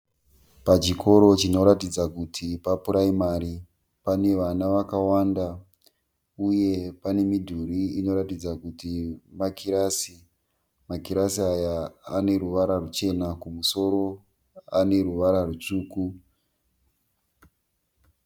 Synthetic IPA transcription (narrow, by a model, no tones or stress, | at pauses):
pat͡ʃikʰo̞ɾo̞t͡ʃino̞ɾatid͡zakutʰipapuɾaimaɾi | pane̞ʋanaʋakawanda | uje̞pane̞midʱuɾiino̞ɾatid͡zakutimakiɾasi | makiɾasiajaːne̞ɾuʋaɾarut͡ʃe̞nakumuso̞ɾo̞ | ane̞ɾuʋaɾarut͡ʂuːku